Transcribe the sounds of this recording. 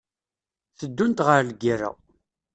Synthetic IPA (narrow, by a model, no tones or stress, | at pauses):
θəd̪ːunt̪ʁəɾlɡirːæ̰